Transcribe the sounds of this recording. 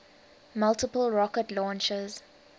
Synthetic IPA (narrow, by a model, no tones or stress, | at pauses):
maltəpəlɹɔkətlɔ̃ːnt͡ʃəz̥